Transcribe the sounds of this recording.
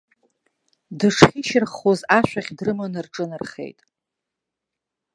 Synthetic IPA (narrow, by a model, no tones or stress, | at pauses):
dɨʂχʲiʃɪrχozaʃʷᶣaχʲdrɨmanɨrʈ͡ʂʼɨnɨrχḛjtʼ